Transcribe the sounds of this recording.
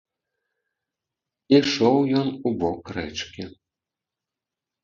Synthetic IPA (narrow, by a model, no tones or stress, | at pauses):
iʂɔwjɔnubɔkrɛ̰t͡ʂkʲi